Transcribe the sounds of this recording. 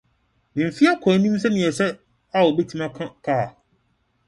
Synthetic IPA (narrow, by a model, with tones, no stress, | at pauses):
nɪ̃˨m̩˨fi˦a˦kʰɔ˨˦nĩ˦m˦s̬ɛ˦nɪ̃˨ɛ˨sɛ˦ | a˦wo˨be˦tʰĩ˦mã˦kʰa˦kʰa˦˨